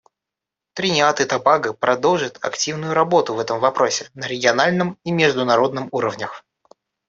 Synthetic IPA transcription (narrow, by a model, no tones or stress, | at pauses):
t̪ɾʲɪnʲɪat̪ɨt̪ɐbaɡɨpɾɐd̪o̞lˠʐət̪ʰɐ̰ktʲivnʊjʊɾɐbo̞t̪ʊvɛt̪əmvɐpɾo̞sʲɪnəɾʲɪɡʲɪɐnalʲnɨmimʲɪʐd̪ʊnɐɾo̞d̪̚nɨmuɾəvnʲəx